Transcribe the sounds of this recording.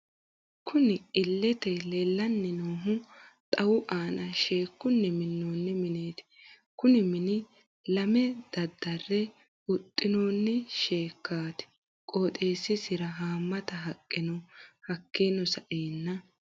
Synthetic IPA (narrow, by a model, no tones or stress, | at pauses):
kʰʊnɪɪlːɛt̪ɛlɛlːɐnːɪnoːɦʊt̪ʼɐwʊʔaːnɐʃeːkːʊnːɛmɪnːoːnːɪmɪneːt̪ɪ̥ | kʊnɪmɪnɪ | lɐmɛd̪̥ɐd̪ːɐrːɛ | ʊt̪ʼːɪnoːnːɪʃeːkːaːt̪ɪ̥ | kʼoːt̪ʼe̞ːsɪsɪɾɐɦaːmːɐt̪ɐɦɐkʼːɪnɔhɐkːenɔsɐʔeːnːɐ